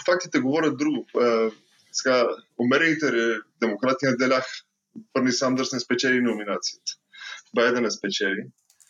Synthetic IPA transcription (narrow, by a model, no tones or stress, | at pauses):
fak̚t̪it̪ɛɡovɔɾʲjɐt̪̚d̪ɾuɡʊ | sɛ̥ɡaomɛɾɛnit̪ɛɾɛd̪ɛmokɾat̪inɐd̪ɛlʲax | vəɾnisamd̪əɾsnɛspɛt͡ʃɛlinominat̪siit̪ə̥bajd̪ɛnɛspɛt͡ʃɛli